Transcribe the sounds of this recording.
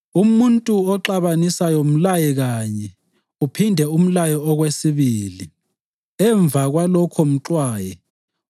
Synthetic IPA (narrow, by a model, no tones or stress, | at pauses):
umuntʼuɔǁaβanisajom̩lajɛɣaɲɛ | upʰindʱɛum̩lajɔɔɣwesiβiːli | ɛɱb̪vʱaɣwalɔkʰɔm̩ǁwaːjɛ